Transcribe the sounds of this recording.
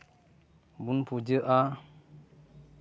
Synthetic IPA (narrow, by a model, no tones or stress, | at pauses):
bunpʰud͡ʒəʔa